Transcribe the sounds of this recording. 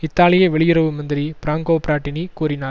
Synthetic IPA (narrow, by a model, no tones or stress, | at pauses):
ɪt̪ːaːlɪjɐʋɛɭɪjɪɾɐʋɯmɐnd̪ɪɾipɾaːŋɡoːpɪɾaːʈːɪnikuːɾɪnaː